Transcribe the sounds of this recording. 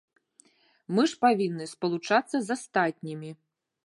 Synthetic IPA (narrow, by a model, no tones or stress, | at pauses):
mɨʂpavʲinːɨspɐlˠut͡ʂat̪sːɐzast̪at̪ʲnʲimʲi